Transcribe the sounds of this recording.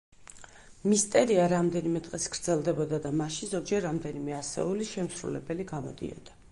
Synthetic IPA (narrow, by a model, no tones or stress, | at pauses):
mist̪ʼɛɾiaɾamd̪ɛnimɛt̪ʼqʼɛsɡɾd̪zɛlˠd̪ɛbɔd̪ad̪amaʃinzɔd͡ʒɛɾːamd̪ɛnimɛasɛ̰uliʃɛmsɾṵlɛbɛliɡamɔ̰d̪ḭɔ̰d̪̥a